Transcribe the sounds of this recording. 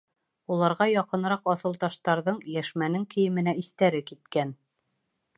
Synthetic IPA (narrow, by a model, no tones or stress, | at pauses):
ulˠɑɾʁɑjɑqɤ̆n̆ɾɑqɑθɤ̆lˠt̪ɑʃt̪ɑɾðɤɴjæʃmænɘŋkʰɘ̆jɘ̆mɘ̆næiθt̪æɾɘkit̪kæn